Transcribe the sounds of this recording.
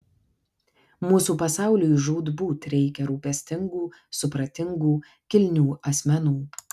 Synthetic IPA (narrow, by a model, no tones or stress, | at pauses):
muːsuːpɐsɑˑʊlʲʊjʒuːd̪buːt̪ɾʲɛɪkʲɛɾuːpʲɛsʲt̪ʲɪŋɡuːsʊpɾɐt̪ʲɪŋɡuː | kʲɪlʲnʲuːɐsʲmʲɛnuː